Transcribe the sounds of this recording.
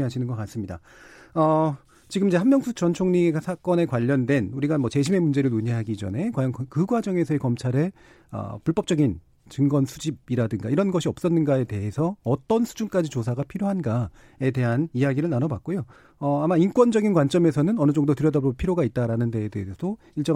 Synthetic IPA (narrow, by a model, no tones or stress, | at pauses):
iɦaɕʰinɯnɡʌk͈as͈ɯmɲida | ʌ | t͡ɕiɡɯmid͡ʑe̞hammjʌŋsʰut͡ɕʌnt͡ɕʰoŋɲiɡasʰak͈ʌne̞kwaʎːʌndwe̞nuɾiɡanmʌt͡ɕe̞ɕʰime̞mund͡ʑe̞ɾɯɭnuɲiɦaɡid͡ʑʌ̰ne̞kwajʌnkɯɡwad͡ʑʌŋe̞sʰʌekʌmt͡ɕʰaɾe̞ | ʌ̰puɭp͈ʌp̚t͡ɕ͈ʌɡin | t͡ɕɯŋɡʌnsʰud͡ʑibiɾadɯŋɡa̰iɾʌnɡʌɕʰiʌp̚s͈ʌnːɯnɡae̞te̞ɦe̞sʰʌːt͈ʌnsʰu̥d͡ʑunk͈ad͡ʑit͡ɕosʰaɡapʰiɾjoɦanɡa | e̞de̞ɦanijaɡiɾɯɭnanʌbak̚k͈ojo | ʌamaink͈wʌnd͡ʑʌɡinkwant͡ɕ͈ʌme̞sʰʌnɯnʌnɯd͡ʑoŋdotɯɾjʌdabopʰiɾjoɡait̚t͈aɾanɯnde̞edeɦesʰʌdo | iɭt͡ɕ͈ʌ